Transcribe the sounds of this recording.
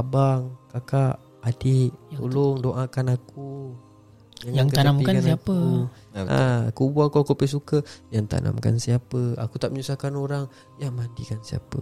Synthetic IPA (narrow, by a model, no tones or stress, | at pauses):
abaŋkakaʔ | adɪʔt̪o̰lʊŋdoʔakanaku | jaŋjaŋkəaampikakasnakəu | a̰kubuakuakuapas̬ukəjaŋt̪a̰nʔa̰mka̰nsiapəa̰kut̪aʔməɲusakanoɾaŋ | jamadikansia̰pə